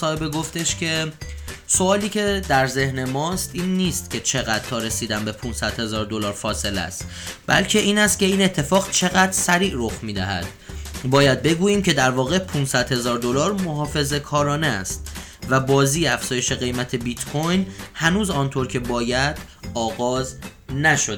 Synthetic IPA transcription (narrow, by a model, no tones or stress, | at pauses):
ɒːhebeɡo̞ft̪eʃcʰe̞ | so̞ɒːliːcʰe̞d̪æɾze̞hne̞mɒːst̪iːnːiːst̪cʲʰe̞t͡ʃʰe̞ɣæd̪̥̚t̪ʰɒːɾe̞siːd̪æmbe̞pʰunsæd̪̥he̞zɒːɾd̪o̞lɒːɾfɒːse̞læ̰st̪ | bæ̰lcʰe̞ʔiːnæst̪̚cʲe̞iːne̞t̪ʰːe̞fɒːɣt͡ʃʰe̞ɣæd̪ɾsæɾiːʔɾoxmiːd̪æ̰ɦæ̰d̪̥ | bɒːjæd̪̚be̞ɡuːjiːmcʰe̞d̪æɾvɒːɣe̞pʰunsæd̪̥he̞zɒːɾd̪o̞lɒːɾmo̞ɦɒːfe̞ze̞kʰɒːɾɒːneæst̪ | væbɒːziːæfz̥ɒːje̞ʃe̞ɣe̞jmæt̪ʰe̞bit̪kʰojnhænuːzɒːnt̪ʰoɾcʰe̞bɒːjæd̪̥ɒːɣɒːznæʃod̪